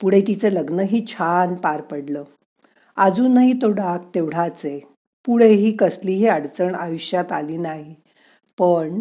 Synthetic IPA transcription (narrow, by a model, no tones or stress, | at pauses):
puɽ̤et̪it͡seləɡnəɦiːt͡ɕʰanpaɾpəɽləː | ad͡zũːnaɦit̪oɽak̚t̪eʋɽ̤at͡se | puɽ̤eɦiːkəsliːɦiaɽt͡səɳajuɕjat̪aliːnaɦi | pəɳ